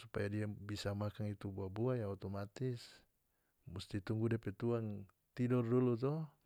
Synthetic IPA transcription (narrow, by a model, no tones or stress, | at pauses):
supajadiabisamakaŋit̪ubuabuajaŋɔt̪ɔmat̪is | must̪it̪uŋɡudiapɛt̪uaŋ | t̪idɔrdulut̪ɔ